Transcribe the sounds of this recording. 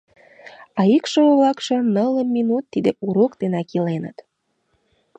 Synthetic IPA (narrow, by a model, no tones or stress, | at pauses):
ɑikʃoβlɑkʃŏnələmːinut̪ːid̪euɾokd̪enɑkilenə̰t̪